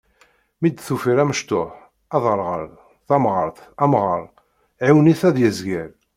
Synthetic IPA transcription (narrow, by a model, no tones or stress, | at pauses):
mid̪θufiɾæməʃt̪oħ | æðˤəɾˤʁə̰ɾ | θæmʁəɾˤθæmʁə̰ɾˤ | ʕiwniθæðjəzɡæɾ